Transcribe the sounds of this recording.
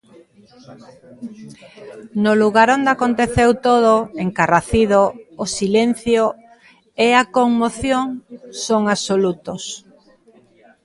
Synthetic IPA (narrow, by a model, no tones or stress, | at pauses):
noluɣaɾond̪eakont̪eθewt̪oðoeŋkaraθiðoːsilen̟θjo | eakoŋmoθjoŋsoŋasolut̪os